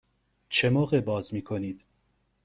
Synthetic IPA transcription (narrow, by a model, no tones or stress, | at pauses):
t͡ʃʰemɒːɣebɒːzmiːkʰo̞niːd̪̥